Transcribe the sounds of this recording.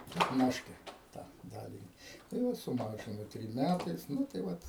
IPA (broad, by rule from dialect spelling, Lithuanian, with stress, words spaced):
pʲɛtˈnɑːʃʲkʲɛ ˈtɑː ˈdɑːlʲɪnʲɪ tɐɪ ˈʋɐ sʊˈmɑːʒʲɪnʊ ˈtʲrʲɪm ˈmʲætɐɪs ˈnʊ tɐɪ ˈʋɐt